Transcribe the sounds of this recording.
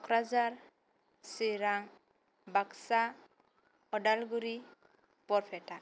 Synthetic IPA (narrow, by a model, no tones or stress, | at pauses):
ɔkʰɾad͡ʒaɾ | siɾaŋ | baksa | ɔɖalɡuɾi | pɔɾpʰɛʈa